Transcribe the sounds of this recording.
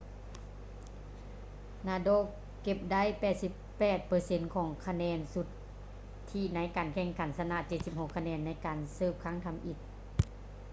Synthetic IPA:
naː˧doː˧˥˨k | ke˧˩p̚da˦˥˨jpɛː˧˩t̪̚si˧˥pːɛː˧˩t̪̚pɤː˨˩se˧˥nkʰɔː˨˩˦ŋkʰa˧nɛː˧˥nsu˧˦t̪ʰː | iː˧˩na˦˥jkaː˨˩nkʰɛ˧˩ŋkʰa˨˦nsa˧na˧˨t͡ɕe˧t̪̚si˧p̚ho˧˨kʰːa˧nɛː˧nːa˧˥jkaː˨˩nsɤː˧˩p̚kʰa˧˥ŋt̪ʰa˧˨mʔi˧˩t̪̚

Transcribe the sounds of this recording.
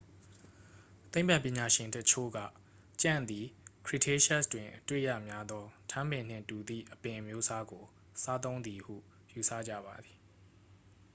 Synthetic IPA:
t̪ẽ˦ɪ̃mb̥ã˦˨pjɪ̃˨ɲa˨ʃɪ̃˨ntət͡ɕʰo̰˦˨ɡä̰˦˨ | t͡ɕã̰˦˨nd̪i˨kʰɹi˦˨tʰe˦ʃa˦˨stwɪ̃˨ʔətwḛ˦˨jä̰˦˨mja˦d̪ɔ˦tʰã˦mbɪ̃˨n̥ɪ̰̃˦˨ntu˨d̪ḭ˦˨ʔəpɪ̃˨ʔəmjo˦sa˦ɡo˨ | sa˦t̪̬õ˦ʊ̃nd̪i˨hṵ˦˨ | ju˨sä̰˦˨d͡ʑä̰˦˨ba˨d̪i˨

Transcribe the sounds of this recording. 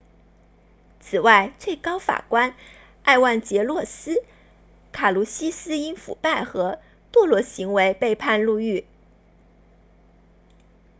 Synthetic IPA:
t͡sʰɹ̩˨˩wa˥˧ɪt͡swe˥˩ɪkɑ˥ʊfa̰˨˩kwa˥n | a˥˧ɪwa˥˩nt͡ɕjɛ˧˥lwɔ˥˩sɹ̩˥ | kʰa˨˩lu˧˥ɕi˥sɹ̩˥i˥nfṵ˨˩pa˥˩ɪxɤ˧˥ | t̪wɔ˥˩lwɔ˧˥ɕi˧˥ŋwe˧˥ɪpe˥˧ɪpʰa˥˧nlu˥˧y˥˩

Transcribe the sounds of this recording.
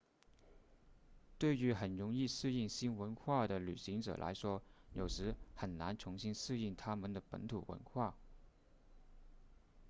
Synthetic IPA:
t̪we˥˩ɪy˧˥xə˨˩nɻʊ˧˥ŋi˥˧ʂɻ̩˥˧i˥˩ŋɕi˥nwə˧˥nxwa˥˩d̪ə˩ly̰˨˩ɕi˧˥ŋʈ͡ʂɤ̰˨˩lʔa̰˧˥ɪʂwɔ˥jo˨˩ʊʂɻ̩˧˥xə˨˩nna˧˥nt͡sʰʊ˧˥ŋɕi˥nʂɻ̩˥˧i˥˩ŋt̪ʰa˥mə˨nd̪ə˩pə̰˧˥nt̪ʰu˨˩wə̰˧˥nxwa˥˩

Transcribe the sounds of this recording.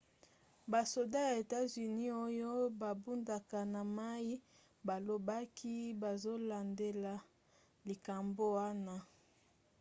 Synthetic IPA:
ba˨so˨da˦ja˨e˨ta˦zy˨ni˦o˦jo˦ba˨bu˦nda˨ka˨na˨ma˦ji˦ | ba˨lo˨ba˦ki˦ba˨zo˦la˨nde˦la˨ | li˨ka˨mbo˦wa˦na˦

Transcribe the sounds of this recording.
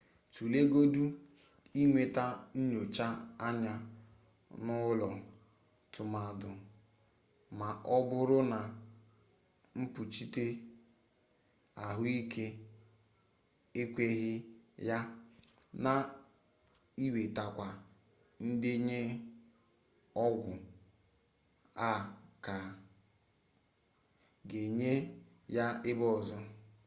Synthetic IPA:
tu˨le˦ɡo˦du˦ | i˦ŋʷe˨ta˦n̩˦ɲo˨t͡ʃa˦a˦ɲa˦ | nʊ˦lɔ˨ | tʊ˨ma˨dʊ˨ | ma˨ʔɔ˦bʊ˦ɾʊ˦na˨ | m̩˦pʊ˨t͡ʃi˦te˦ | a˨ɦʊ˦i˦ke˦ | e˦kʷe˦ɣɪ˦ja˦ | na˨ | i˦we˨ta˨kʷa˨ | n̩˦dɪ˦ɲe˦ | ɔ˦ɡʷʊ˨ | a˦˨ka˨ | ɡe˨ɲe˦ | ja˦ɪ˦bɔ˦˨zɔ˦

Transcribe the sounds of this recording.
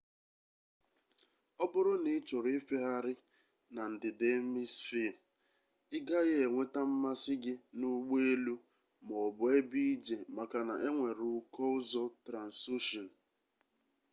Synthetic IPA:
ɔ˦bʊ˦ɾʊ˦nɪ˨˦t͡ʃɔ˨ɾɪ˦fe˦ɦa˦ɾɪ˦ | na˨n̩˨dɪ˨de˨˦mi˦sfi˦˨ | ɪ˦ɡa˦ɣe˨ŋʷe˦ta˦m̩˦ma˦sɪ˦ɡɪ˦nu˦ɡ͡be˦e˦lu˦ | mɔ˨bʊ˨e˦bi˦d͡ʒe˨ma˨ka˨na˨ʔe˦ŋʷe˨ɾʊ˦kɔ˦ʊ˦zɔ˦tɾa˨n̩˨su˦ʃɔ˨n̩˨

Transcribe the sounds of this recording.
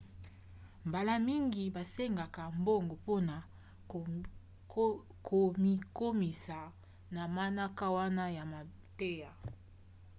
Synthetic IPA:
mba˨la˦mi˦ŋɡi˨ba˨se˦ŋɡa˨ka˨mbo˦ŋɡo˨po˦na˨ | kʰo˨mi˦ko˦mi˨sa˨ | na˨ma˦na˦ka˦wa˦na˦ja˨ma˨ | te˦ja˨

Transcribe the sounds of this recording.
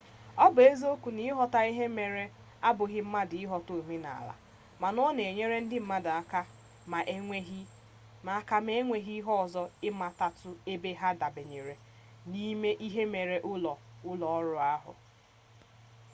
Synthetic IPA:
ɔ˦bʊ˨e˦zo˦kʷu˨ni˦ɦɔ˨ta˦i˦ɦe˦me˨ɾe˦ | a˦bʊ˨ɣɪ˦m̩˦ma˦dɪ˨ɪ˦ɦɔ˨to˨mi˦na̰˨la̰˨ | ma˨nɔ˦ne˨ɲe˦ɾe˦n̩˦dɪ˦m̩˦ma˦da˨a˦ka˦ | ma˨ʔ | ma˨˦ka˦m˦e˦ŋʷe˨ɦi˦ɦɔ˦ɔ˨zɔ˦ɪ˦ma˦ta˨tʊ˦e˦be˦ɦa˦da˨be˨ɲe˨ɾe˨ | ni˦me˦ʔi˦ɦe˦me˨ɾe˨ʔʊ˦lɔ˨ʊ˦lɔ˨ɔ˦ɾʊ˦a˦ɦʊ̰˨

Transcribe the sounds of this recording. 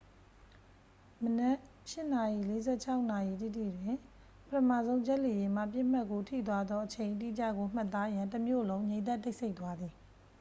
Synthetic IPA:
mənɛ˦ʔ | ʃɪ˦ʔna˨jḭ˦˨le˦zɛ˦˨t͡ɕʰa˦ʊʔna˨ji˨t̪ḭ˦˨tʰḭ˦˨dwɪ̃˦˨ | pətʰəmä̰˦˨zõ˦ʊ̃d͡ʑɛ˦ʔli˨jɪ̃˨m̥a̰˦˨pjɪ˦˨m̥a˦˨ʔkːo˦tʰḭ˦˨t̪̬wa˦d̪ðɔ˦ʔət͡ɕʰẽ˨ɪ̃ʔt̬ḭ˦˨t͡ɕä̰˦˨ɡo˨m̥a˦˨t̪ːa˦jã˨ntəmjo̰˦˨lõ˦ʊ̃ɲẽ˨ɪ̃d̪ɛ˦˨tːe˦ɪʔse˦ɪʔt̪wa˦d̪ði˨

